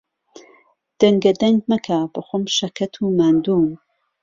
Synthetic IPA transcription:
d̪̥ɐŋɡɐd̪ɐŋɡmɐkʰab̥ɐxʷomʃɐkʰɐt̪ʰumaːnd̪uːm

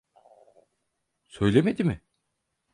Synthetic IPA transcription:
sø̞jlʲemed̪imɪ

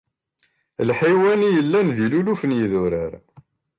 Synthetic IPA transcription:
lħiwænijəlːænðilulufənjiðʊɾəɾ

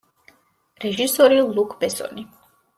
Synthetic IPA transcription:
ɾɛʒisɔɾilˠukʰbɛsɔ̰ni

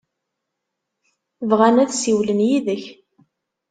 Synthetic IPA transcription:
vʁænæðsiwlənjiðəç

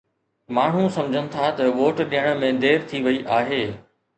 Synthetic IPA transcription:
maːɳ̤ũsɐ̃md͡ʑʱənɪ̆t̪ʰat̪ɐʋoːʈɗijəɽ̃̆mẽd̪eːɾt̪ʰiʋɐiʔaːɦeː

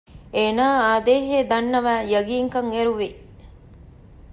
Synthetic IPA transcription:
eːnaːaːd̪eːɦeːd̪ɐnːɐʋæːjɐɡiːŋkɐŋeɾuʋi

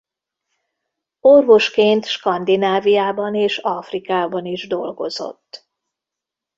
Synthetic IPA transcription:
o̞rvo̞ʃkeːnt̪ʃkɒnd̪inaːvijaːbɒneːʃɒfrikaːbɒniʒd̪o̞lɡo̞zo̞̰t̪ː

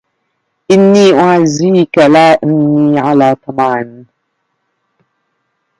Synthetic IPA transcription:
ʔɪnːiːʔʊʕazːiːkalaːʔɪmniːʕalaːt̪ˤɑmɑːʕn

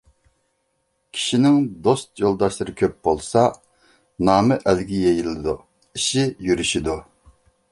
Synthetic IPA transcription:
kʲʰi̥ʃinɪŋd̪ost̪jolˠd̪ɑʃlˠɨɾɨkʲʰøp̚bolˠsɑ | nɑːmɪʔælɡʲijejilɪd̪u | iʃijyɾyʃid̪u

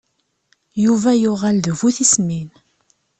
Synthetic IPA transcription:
juvæjʊʁælðəvuθismin

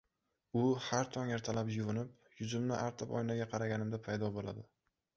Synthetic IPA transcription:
ʊhaɾt̪ʰɒŋeɾt̪ʰalapjʊvʊnɪp | jʊzʊmnɪʔaɾt̪ʰɪpɒ̰jnaɡʲaqʰɑɾaɡʲanɪmd̪apʰajd̪ɒbola̰d̪ɪ

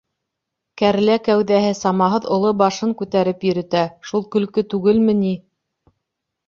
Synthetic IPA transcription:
kæɾlækæwðæɦɘsɑmɑɦɤðŏlˠobɑʃɤŋkʉt̪æɾɘpjɵ̆ɾɘ̆t̪æʃulˠkɵ̆lkɵt̪ʉɡɘlmɘ̆ni

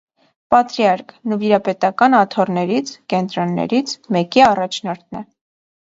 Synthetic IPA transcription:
pɑt̪ɾiɑɾknuviɾɑpɛt̪ɑkɑnɑt̪ʰɔrnɛɾit͡sʰkɛnt̪ɾɔnːɛ̰ɾit͡sʰmɛkiɑrɑt͡ʃʰnɔɾt̪̚ʰnɛ

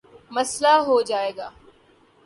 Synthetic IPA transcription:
məslaɦod͡ʒaːeːɡaː

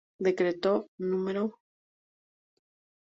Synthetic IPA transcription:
d̪e̞kɾet̪onũmeɾo

